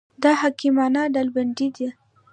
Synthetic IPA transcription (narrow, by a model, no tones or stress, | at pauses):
d̪ɑhakimɑnaɖalbaɳɖid̪i